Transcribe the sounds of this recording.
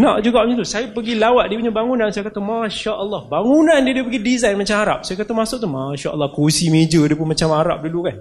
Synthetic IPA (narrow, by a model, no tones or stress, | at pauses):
naʔd͡ʒuɡaʔit̪usajapəɡilawaʔ̚diəpuɲabaŋunãnsajakət̪əmaʃaʔəlˠːɔhbaŋunandiədiəpəɡidizajnmat͡ʃamaɾa̰p̚sajakət̪əmasʊk̚t̪umaʃaʔəlːɔhkosimed͡ʒədiəpʊnmat͡ʃamaɾa̰p̚dulukan